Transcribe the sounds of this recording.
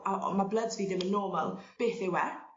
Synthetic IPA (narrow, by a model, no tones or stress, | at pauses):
amablˠədzviːdɪmənːɔːmalˠb̥eːθɪwɛ